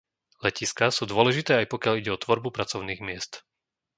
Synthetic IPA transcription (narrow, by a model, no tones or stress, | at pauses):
lɛciskasuːd̪ʊɔlɛʒit̪ɛːajpɔkɪjaliɟɛɔt̪ʋɔɾbupɾat͡sɔʊniːɣmɪɛst̪